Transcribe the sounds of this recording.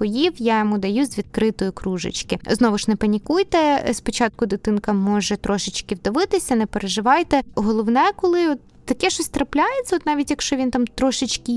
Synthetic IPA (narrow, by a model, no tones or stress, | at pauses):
ɔjiwjajɔmud̪ɐjuzʲʋʲid̪̚kɾɪt̪ɔjʊkɾuʒɪ̰t͡ʃkɪznɔʋʊʃnɛpɐnʲikujt̪ɛspɔt͡ʃɑt̪̚kʊd̪ʊt̪ɪnkɐmɔʒɛt̪ɾɔʃɪt͡ʃkɪwd̪ɐʋɪt̪ɪsʲɐnɛpeɾeʒɪʋɑjt̪ɛɦɔlˠɔʋnɛkɔlˠɪɔt̪ːɐkɛʃɔsʲt̪ɾɐplʲajett͡sʲːɐɔt̪nɑʋʲitʲjɐkʃt͡ʃɔʋʲint̪ɑmt̪ɾɔʃɪt͡ʃki